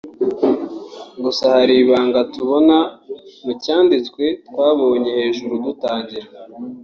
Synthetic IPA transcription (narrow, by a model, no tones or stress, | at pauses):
ɡusahaɾiβaːŋɡatuβo̞namucaːndit͡skwe̞tkwaːβo̞ːɲe̞he̞ːʒuɾudutaːɲɟiɾa